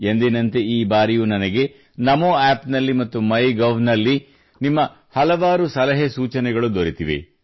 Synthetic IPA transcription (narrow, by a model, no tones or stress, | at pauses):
end̪enɐnt̪e̞iːbaːɾijunɐnɐɡe̞ | nɐmoːaːpnɐlːimɐt̪ːumɐjɡɐʋnɐlːi | nimːɐ | hɐlɐʋaːɾusɐlɐɦesuːt͡ʃɐnɛɡɐɭud̪oɾit̪iʋḭ